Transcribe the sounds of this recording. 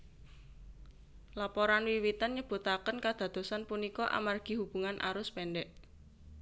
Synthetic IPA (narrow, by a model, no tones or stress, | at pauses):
lapɔɾanwiwit̪anɲəb̥o̤t̪akənkad̪̥ä̤d̪̥o̤sanpunikɔʔa̰marɡ̥i̤hub̥uŋanʔa̰ɾʊspɛnɖɛʔ